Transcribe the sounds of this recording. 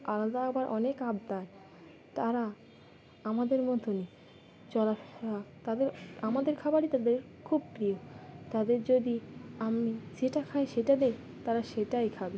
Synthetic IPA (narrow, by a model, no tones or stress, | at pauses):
alad̪aaɡbaɾʔɔnekabd̪ae | t̪aɾa | amad̪eɾmɔt̪oni | t͡ɕɔlaat̪ad̪eɾamad̪eɾkʰabaɽit̪ad̪eɾ | kʰub̚pɾiot̪ad̪eɾd͡ʑod̪iamid͡ʑeʈakʰaeʃeʈad̪e | t̪aɾaʃeʈajkʰabi